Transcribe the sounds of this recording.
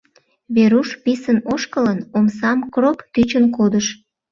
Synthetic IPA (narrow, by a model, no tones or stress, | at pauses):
βeɾuʃpisənoʃkələnomsɑmkropt̪yt͡ɕənkod̪əʃ